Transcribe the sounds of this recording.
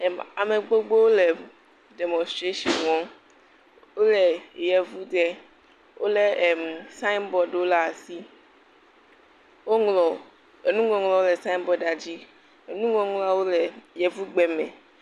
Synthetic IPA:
ɛ˨ma˨me˨ɡ͡bo˦ɡ͡bo˦wo˦lɛ˨ | dɛ˨mɔ̃˨stɾe˦ʃɔ˨nwɔ̃˦ | wo˦lɛ˨jɛ˨vu˦ɡɛ˦ | wʔo˦le˦ɛ˨msa˦i˦nbɔ˨ɖe˨˦o˦la˦a˨si˦ | wo˦ŋlɔ˨ | e˨nũ˦ŋɔ̃˨ŋlɔ̃˨wo˦lɛ˨sã˦ĩ˦nbɔ˨ɖa˨d͡ʑi˦ | e˨nũ˦ŋɔ̃˦ŋla˦wo˦lɛ˨jɛ˨vu˦ɡ͡bɛ˨mḛ̃˨

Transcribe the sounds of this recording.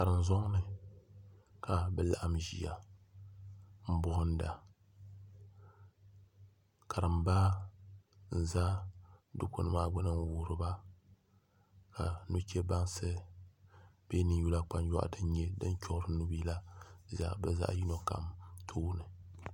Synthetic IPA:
ka˨ɾɨ˨n˨zɔ˦ŋnɨ˨ | ka˨bɨ˦la̰˨ʔa˦mʒḭ˨ja˨ | m̩˦bʊ˦hʊ˦n̩˦da˨ | ka˨ɾɨ˨mba˦ | n̩˨za˦dʊ˦ko̰˦nɨ˦maː˦bʊ˦nɨ˦n˦wuː˨˦ɾɨ˨ba˦ | ka˨nu˦t͡ʃɛ˦ba˦nsɨ˦ | b̥e˦nɨ˦ju˦la˦k͡pa˦njɔ̰˦ʔdɨ˦n˦ɲɛ˦dɨ˦n˦t͡ʃɔ˦ʔɾɨ˦nu˦bi˦la˦za˨˦bɛ˦za̰˦ʔji˦no˨ka̰˨mtʰoː˦nɨ˨

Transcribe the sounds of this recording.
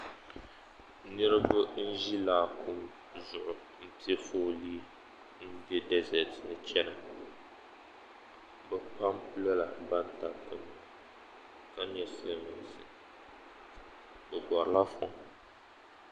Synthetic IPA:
nɨ˦ɾɨ˦bʊ˦n̩˦ʒi˦laː˨kʰu˦m | zʊ˨ʔʊ˨ | m̩˦pi˦ɛ˦foː˦liː˦ | n̩˦dɛ˦dɛ˦zɛ˨tnɨ˨t͡ʃɛ˦na˨ | bɛ˨pa˦mpɨ˦la˦la˨ba˦nta˨tɨ˦m˨ | ka˦ɲ˦ɛ˦sɛ˦mɛ˨n˨sɨ˨ | bɛ˨bɔ˨ɾla˦fɔ̰˨ŋ

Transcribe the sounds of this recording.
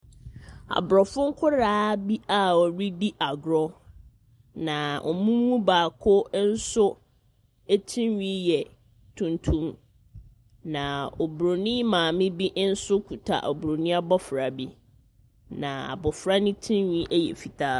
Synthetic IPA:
a̰˨bɾɔ˨fʊ̃˦ŋ̩˦kʰʊ˦ɾaː˦bi˦a˨ɔ˨ɾi˦di˦ʔa˨ɡɾɔ˦ | nã˨ʔɔ̰˨mũ˦mː˦ũ˦baː˨kʰʊ˦n̩˦sʊ˦ | e˦tʰĩ˦nɥĩ˦jɛ˨ | tʰũ˨ntʰũ˦m | nã˨ɔ˨bɾo˨nĩ˦mãː˨mɪ̃˦bi˦ʔn̩˦sʊ˦kʰu˨tʰa̰˨ʔɔ̰˨bɾo˨nĩ˦a˦bɔ˦fɾa˨bi˦ | nã˨a̰˨bɔ˨fɾa˦nɪ̃˦tʰĩ˦nɲĩ˦ʔɛ˦jɛ̰˨fi˨tʰaː˦

